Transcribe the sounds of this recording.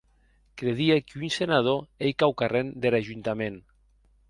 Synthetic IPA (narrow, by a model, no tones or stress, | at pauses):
kɾeðiekunsenað̞oejkawkarend̪eɾaʒunt̪amẽn